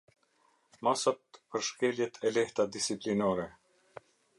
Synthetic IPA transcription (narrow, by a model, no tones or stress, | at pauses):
masat̪̚pəɾʃkɛljɛt̪ʰɛlɛht̪ad̪isiplinɔɾɛ